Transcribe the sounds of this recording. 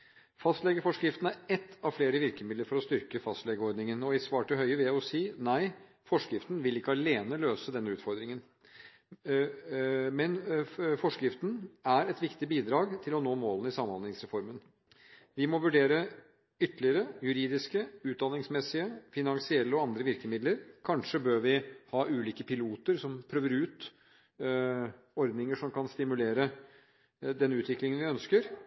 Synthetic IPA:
fɑst̪lɛɡəfɔʂkɾɪft̪n̩æɾɛt̪ːɑʋfleːɾəʋɪɾkəmɪd̪ləɾfɔɾɔst̪ʏɾkəfɑst̪lɛɡəɔɾd̪nɪŋənɔɪsʋɑːʈʰɪlɦœʏəʋɪljæɪɔsiːnæɪ | fɔʂkɾɪft̪ənʋɪlɪkːəɑleːnəløːsəd̪ɛnːʉːt̪fɔɾd̪ɾɪŋən | mɛnfɔʂkɾɪft̪n̩æɾɛt̪ʋɪkt̪ɪbiːd̪ɾɑːɡt̪ʰɪlɔnoːmoːlnɪsɑməɑnɪŋsɾɛfɔɾmən | ʋɪmɔʋʉɖeːɾə | ʏt̪ːəlɪəɾəjʉɾiːd̪ɪskəʉːt̪̚d̪ɑnɪŋsmɛsːɪəfɪnɑŋsɪɛlːəɔɑnd̪ɾəʋɪɾkəmɪd̪ləɾkʰɑnʂəbøːɾʋɪhɑːʔʉːliːkəpʰɪluːt̪əɾsɔmpʰɾøːʋəɾʉːt̪ | ɔɾd̪nɪŋəʂɔmkɑnst̪ɪmʉleːɾə | d̪ɛnːʉːt̪ʋɪklɪŋənʋɪœnskəɾ

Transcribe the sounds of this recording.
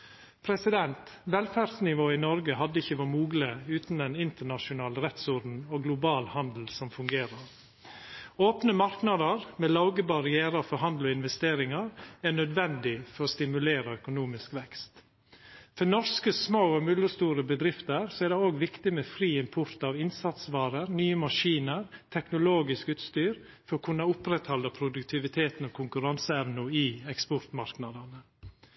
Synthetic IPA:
pʰɾɛsɪd̪ɛnt̪ʋɛlfæɾsnɪʋoːɪnɔɾɡəɦɑd̪ːəɪçəʋɑmuːɡləʉːt̪nd̪ɛnɪnt̪əɳɑʃʊnɑːlɾɛt̪sɔɾd̪n̩oɡlʊbɑːlhɑnd̪l̩sɔmfʉŋɡeːɾəɾ | oːpnəmɑɾknɑd̪əɾmɛlɑʊɡəbɑɾɪæːɾəɾfɔɾɦɑnd̪lɔɪnʋɛst̪eːɾɪŋɑɾæɳœd̪ʋɛnd̪ɪfɔɾɔːst̪ɪmʉleːɾəœkʊnuːmɪskʋɛkst̪ | fɔnɔskəsmoːɔmʏləst̪uːɾəbəd̪ɾɪft̪əɾsɔæɖ̪ɛoːɡʋɪkt̪ɪmɛfɾiːɪmpʰʊɾt̪ɑʋɪnsɑt̪sʋɑːɾəɾnyːəmɑʂiːnəɾt̪ʰɛknʊloːɡɪskʉːt̪st̪yːɾ | fɔɾɔkʰʉnːəʊpɾɛt̪hɑlːəpʰɾʊd̪ʉkt̪ʰɪʋɪt̪ʰeːt̪n̩ɔkʰʊŋkʉɾɑnsəɛmnʊɪɛkspɔɾt̪mɑɾknɑd̪ɑnə

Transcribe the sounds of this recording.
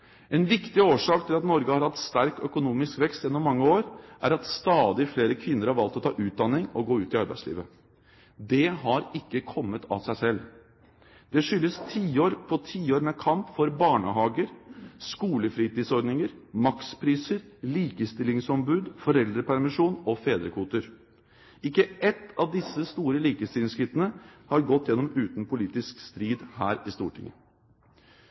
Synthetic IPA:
ɛnʋɪkt̪ɪoːʂɑːkt̪ʰɪlɑt̪nɔɾɡəhɑɾhɑt̪st̪æɾkœkʊnuːmɪskʋɛkst̪jɛnːɔmːɑŋːəoːɾʔæɾɑt̪st̪ɑːd̪ɪfleːɾəkʰʋɪnːəɾhɑɾʋɑlt̪ɔt̪ʰɑ̰ːʔʉːt̪̚d̪ɑnːɪŋɔɡoːʉːt̪ɪɑɾbæ̰ɪslḭːʋə | d̪ɛɦɑɾɪkːəkʰɔmːət̪ʰɑ̰sæɪsɛlː | d̪̥ɛʂʏlːəst̪ʰiːoːɾpʰɔt̪ʰiːoːɾmɛkʰɑmpfɔɾbɑːɳə̰ɦɑːɡəɾskuːləfɾiːt̪iːd̪sɔɾd̪nɪŋəɾmɑkspʰɾiːsəɾliːkəst̪ɪlɪŋsɔmbʉːd̪fɔɾɛld̪ɾəpæɾmɪʂuːnɔfeːd̪ɾəkʰuːt̪əɾ | ɪkːəɛt̪ːɑʋd̪ɪsːəst̪uːɾəliːkəst̪ɪlɪŋskɾɪt̪ːənəhɑɾɡɔt̪ːjɛnːɔmʉːt̪npʰʊliːt̪ɪskst̪ɾiːd̪hæːɾɪst̪ṵːʈʰɪ̰ŋːə̰

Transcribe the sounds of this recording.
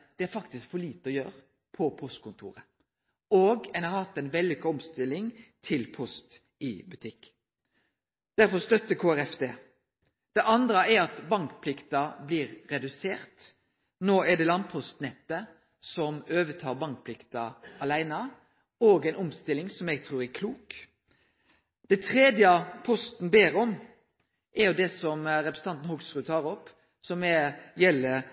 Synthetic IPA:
d̪̥ɛæɾfɑk̚t̪ɪskfɔɭiːt̪əɔjøːɾ | pʰɔpʰɔst̪̚kʰʊnt̪ʰṵːɾə | oːɡɛnɑɾhɑt̪ːɛɪnbɛlːɪkɔmst̪ɪlːɪŋt̪ʰɪlpʰɔst̪ | ɪbʉt̪ʰɪkː | d̪̥æɾfɔst̪œt̪ːəkʰoːæɾɛft̪ʰeː | d̪̥ɛʔɑnd̪ɾəæɾɑt̪bɑŋkpʰlɪkt̪ɑbliːɾːɛd̪ʉseːɾt̪ | noːɛɖɛlɑnpʰɔst̪nɛt̪ːə | sɔmøːʋət̪ʰɑːɾbɑŋk̚pʰlɪkt̪ɑɑlæɪnɑ | oːɡɛɪnɔmst̪ɪlːɪŋsɔmjɛɡ̚t̪ʰɾuːɾɛkʰluːk | d̪̥ɛɪt̪ʰɾeːd̪jəpʰɔst̪n̩beːɾɔm | ʔɛjʊd̪ɛsɔmɾɛpɾsn̩t̪ɑnt̪n̩hɔɡsɾʉːt̪ʰɑːɾɔpː | sɔmɛjɛlːə

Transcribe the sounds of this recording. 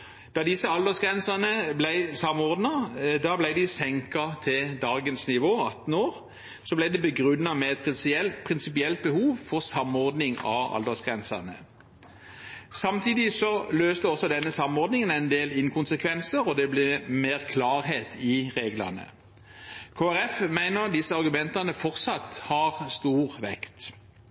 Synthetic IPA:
d̪̥ɑd̪ɪsəɑld̪əsɡʁɛnsəʁnəblæɪsɑmɔʁd̪nɑd̪ɑblæɪd̪ɪsɛŋkɑt̪ʰɪld̪ɑːɡənsnɪʋoːɑt̪ːn̩oːʁ | sɔblæɪd̪ɛbəɡʁʉnːɑmɛɛt̪̚pʰɪsɛlpʰʁɪnsɪpɪɛlt̪̚bəhuːʋfɔʁsɑmɔʁd̪nɪŋɑ̰ɑ̰ld̪əsɡ̥ʁɛnsə̰ʁnə̰ | sɑmt̪ʰiːd̪ɪsɔløːst̪əɔsːɔd̪ɛnːəsɑmɔʁd̪nɪŋənæɪnd̪eːlɪnkʰʊnsəkʰʋɛnsəɾɔd̪ɛblɪmeːʁkʰlɑːʁɦeːt̪ʰɪʁeːɡlɑ̰nə̰ | kʰoːæɾɛfmæɪnəʁd̪ɪsːəɑʁɡʉmɛnt̪ɑnəfɔʁt̪sɑt̪hɑʁst̪uːʁʋɛkt̪

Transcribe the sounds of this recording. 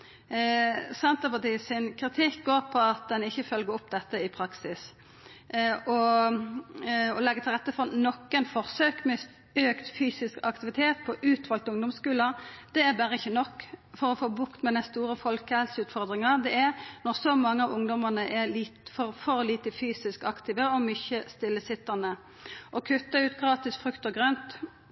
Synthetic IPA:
sɑnt̪əpɑt̪ʰiːsɪnkʰɾɪt̪ʰɪkɡoːɾpʰɔɑt̪̚d̪ɛnɪçːəfœlɡəɾɔpd̪ɛt̪ːəɪpʰɾɑksɪs | ʔɔ | ɔlɛɡːət̪ʰɪlʁɛt̪ːəfɔnɔkːənfɔʁsøːkmɛ | øːkt̪fyːsɪskɑkt̪ɪʋɪt̪ʰeːt̪̚pʰɔʔʉːt̪ʋɑlt̪ʊŋd̪ɔmskʉːləd̪̥ɛæɾbæːʁəɪçːənɔkːfɔʁɔfoːbʊkt̪mɛd̪ɛnst̪uːɾəfɔlkɛlsəʉːt̪fɔʁd̪ʁɪŋɑd̪ɛæɾnɔʁsɔmɑŋːəɑʋʊŋd̪ɔməʁnəʔɛliːt̪fɔɾfɔɾliːt̪əfyːsɪskɑkt̪iːʋəɔmʏçəst̪ɪlːəsɪt̪ːɑnə | ʔɔkʰʉt̪ːɑʉːt̪ɡʁɑːt̪ɪsfʁʉkt̪ɔɡʁœnt̪

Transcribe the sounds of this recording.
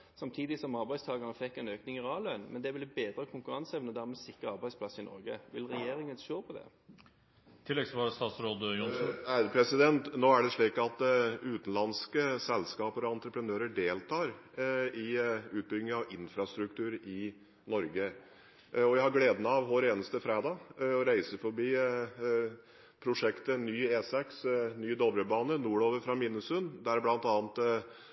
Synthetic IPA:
sɑmt̪ʰiːd̪ɪsɔmɑɾbæɪst̪ʰɑːɡɑnəfɛkːɛnøːknɪŋɪɾɑːlœnmɛ̰nd̪ɛʋɪlbeːd̪ɾəkʰʊŋkʉɾɑnsɛʋnəd̪æɾmɛsɪkɾəɑɾbæɪspʰlɑsːɪnɔ̰ɾɡə̰ʋɪlɾɛjeːɾɪŋənʃoːpʰɔd̪ɛ̰ | t̪ʰɪlːɛɡsʋɑːɾəst̪ɑːt̪sɾoːd̪jʊnsnæɪd̪əpʰɾɛsɪd̪ɛnt̪noːæɖɛʂɭiːkɑt̪ʉːt̪n̩lɑnskəsɛlskɑːpəɾɔɑnt̪ɾəpʰɾənøːɾəɖeːlt̪ʰɑːɾɪʉːt̪̚bʏɡnɪɑʋɪnfɾɑst̪ɾʉk̚t̪ʰʉːɾɪ | nɔɾɡə | ɔʋæɪhɑɾɡleːd̪ənɑʋɦoːɾeːnəst̪əfɾæːd̪ɑːɔɾæɪsəfɔɾbiː | pʰɾʊʂɛkt̪ənyːeːsɛksnyːd̪ɔbɾəbɑːnənuːɭoːʋəɾfɾɑmɪnːəsʉnd̪æɾblɑnt̪ɑːnt̪

